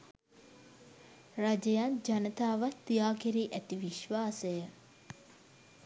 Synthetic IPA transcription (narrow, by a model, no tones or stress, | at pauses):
rad͡ʒəjand͡ʒanət̪aːʋat̪ːijaːkeɾiːʔæt̪iʋiʃʋaːsəjə